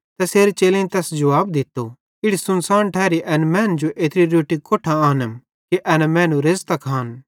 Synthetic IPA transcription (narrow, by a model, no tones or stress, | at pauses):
t̪ɛseːɾet͡ʃeːlẽĩt̪ɛːsd͡ʒɐʋaːbd̪ɪt̪ːo | ɪɽisʊnsaːnʈʰɛːɾiʔɐnmɛ̃ːnd͡ʒoʔeːt̪ɾiɾoːʈikoːʈʰaaːnə | kiʔɐnɛmɛ̃ːnũɾeːzt̪akʰaːn